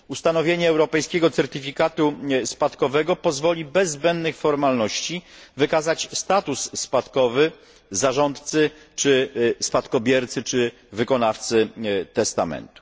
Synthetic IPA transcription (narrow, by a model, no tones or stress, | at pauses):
ust̪anɔvʲjeɲɛːwɾɔpɛjskʲɛɡɔt̪sɛɾt̪ɘfʲikat̪uspat̪kɔvɛɡɔpɔzvɔlʲibɛzːbɛnd̪nɘxfɔɾmalnɔɕt͡ɕivɘkazat͡ɕst̪at̪usːpat̪kɔvɘ | zaʐɔnt̪t̪sɘ | t͡ʂɘspat̪kɔbʲjɛɾt̪sɘt͡ʂɘ | vɘkɔnaft̪sɘt̪ɛst̪amɛ̰nt̪u̥